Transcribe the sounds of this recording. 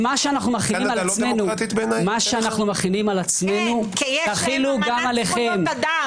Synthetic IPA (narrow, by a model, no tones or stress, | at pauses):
maʃeanaχnumaχiimallsmenuat̪it̪benamaʃeanaχnumaχinimalat͡sme̞nukt̪aχiluɡamaleχe̞m